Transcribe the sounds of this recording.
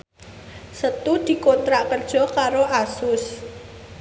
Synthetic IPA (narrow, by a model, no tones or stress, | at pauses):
sət̪ud̪̥i̤kont̪ɾaʔkərd̥ʒ̥ɔ̤kaɾoʔasʊs